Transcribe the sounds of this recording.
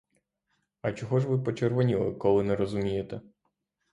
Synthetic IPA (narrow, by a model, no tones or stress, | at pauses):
ɐt͡ʃɔɦɔʒʋɪpɔt͡ʃerʋɔnʲilˠɪ̰kɔlˠɪnɛɾɔzʊmʲijet̪ɛ